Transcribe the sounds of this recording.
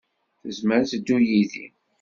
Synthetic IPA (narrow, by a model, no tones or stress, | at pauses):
θəzməɾθd̪ːujiðḭ